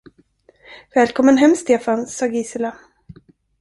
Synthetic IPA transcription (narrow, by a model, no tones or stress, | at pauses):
vɛːlkʰɔmːənɦɛmst̪eːfansɑːɡiːsɪla